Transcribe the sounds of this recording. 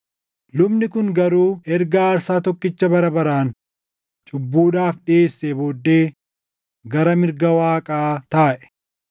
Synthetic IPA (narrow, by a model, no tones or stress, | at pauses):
lʊbnɪkʊŋɡɐɾuːɛɾɡaːɾsaːt̪ɔkːɪt͡ʃːɐbɐɾɐbɐɾaːn | t͡ʃʼʊbːuːᶑaːfᶑɪeːsːeboːd̪ːeː | ɡɐɾɐmɪɾɡɐwaːkʼaːt̪aːʔɛ̥